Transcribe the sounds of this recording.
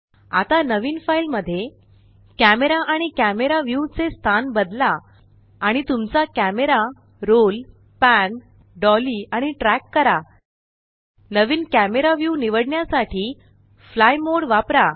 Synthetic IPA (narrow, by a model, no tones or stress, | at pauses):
a̰t̪anəʋiːnfailməd̪ʱːje | kæmeɾaʔaɽ̃ikæmeɾaʋjut͡sest̪ʰanbəd̪laː | ɽ̃it̪umt͡sakæmeɾa | ɾol | pæn | ɖɔliaɽ̃iʈɾækːəɾa | nəʋiːnkæmeɾaʋjuniʋəɽɳjasaʈʰiː | flajmoɽʋapɾa